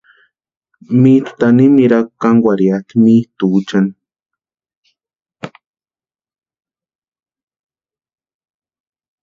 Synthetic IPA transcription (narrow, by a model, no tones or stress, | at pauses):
mit̪t̪animiɾakkaŋwʷaɾjat̪imit̪ut͡ʃan